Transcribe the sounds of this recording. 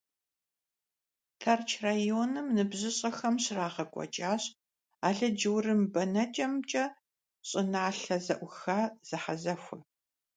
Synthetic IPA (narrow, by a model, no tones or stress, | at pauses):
tʰɐrt͡ʃʰraːjoːnɨmnɨbʑɨɕʼɐxɐmɕɪraːʁɐkʷʼɔ̰t͡ʃʼaːɕʼ | aːɮɐd͡ʒɨwrɨmbɐnɐt͡ʃʼɐmt͡ʃʼɐ | ɕʼɪnaːɬɐzɐ̰ʔʷʊxaːz̥ɨħazɐxʷʊ